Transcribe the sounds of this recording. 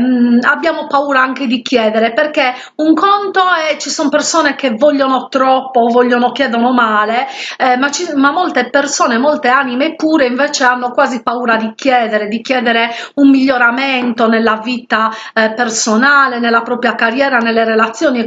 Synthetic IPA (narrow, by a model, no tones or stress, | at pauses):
abjaːmopauːɾaaŋked̪ikjɛːd̪ɛɾeperke | uŋkɔnt̪oɛt͡ʃisɔmpersɔːnekevːɔʎːonot̪ɾɔpːovːɔʎːonok̟jɛːd̪onomaːlemat͡ʃimamːɔlt̪epersɔːnemɔlt̪eaːnimepːuːɾeiɱvɛːt͡ʃeanːokwaːzipauːɾad̪ikʰjɛːd̪ɛɾed̪ik̟jɛːd̪ɛɾeumːiʎːoɾament̪onelːaviːt̪a | personaːlenelːapɾɔːpɾjakarjɛːɾanelːeɾelat̪sːjoːni